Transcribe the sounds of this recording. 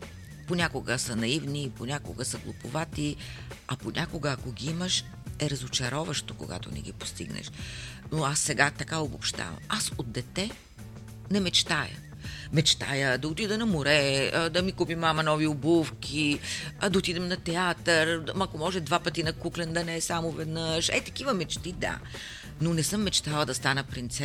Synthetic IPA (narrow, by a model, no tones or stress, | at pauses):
ponʲakʊɡəsənɐivniponʲakʊ̰ɡəsəɡlˠopʊ̰vat̪iɐponʲʔakoɡəːkoɡʲiiməʃ | ɛɾɐzot͡ʃɐɾɔvəʃt̪oko̰ɡa̰t̪o̰nɛ̰ɡʲḭpo̥st̪ḭɡnɛ̰ʃnoasːɛɡat̪ɐkaobopʃt̪a̰vɐ̰masod̪d̪ɛt̪ɛ | nɛmɛt͡ʃt̪ajə̰ | mɛt͡ʃt̪a̰jəd̪ɐot̪id̪ənɐmoɾɛd̪ɐmikupimːamɐnɔviobufkʲʰid̪ɐot̪id̪ɛmnɐt̪ɛat̪əɾmɐkomɔʒɛd̪vapət̪inɐkuklʲɛnd̪ɐnɛsamovɛd̪nəʃɛ̰t̪ɐ̥kivəmɛt͡ʃt̪id̪a̰ | nonɛsɤmːɛt͡ʃt̪alˠəd̪ɐst̪anəpɾint̪sɛ